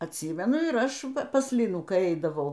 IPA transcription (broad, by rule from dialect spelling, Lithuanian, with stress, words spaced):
ɐtʲˈsʲiːmʲɛnʊ ɪr ˈɐʃ pɐs ˈlʲɪnuː kɐɪ ˈɛɪdɐʋɐʊ